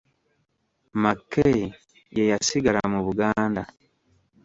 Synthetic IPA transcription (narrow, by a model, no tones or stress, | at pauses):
makːei | jejasiɡalamuβuɡaːnda